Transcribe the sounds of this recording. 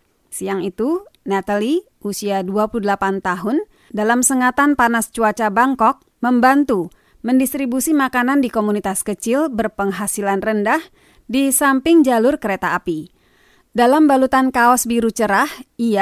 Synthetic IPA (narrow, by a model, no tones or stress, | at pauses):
siaŋit̪unɛt̪aliʔusiaduapuludəlapant̪aɦʊn | dalamsəŋat̪anpanast͡ʃuat͡ʃabaŋkɔk̚ | məmbant̪u | məndist̪ɾibusimakanandikomunit̪askət͡ʃɪlbərpəŋɦasilanrəndah | disampɪŋd͡ʒalʊrkəɾet̪aːpi | dalambalut̪ankaɔsbiɾut͡ʃəɾahia